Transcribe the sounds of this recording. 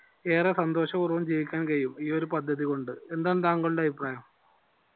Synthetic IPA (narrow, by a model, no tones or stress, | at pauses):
e̞ːresɐnd̪oːɕɐurɐʋɐmt͡ɕejikʲːaːnkɐijumiːo̞ɾupɐd̪ʱːɐðiko̞ɳɖɨe̞nd̪aːnːt̪aːŋɡɐɭuɭːeɐbʱipraːjɐm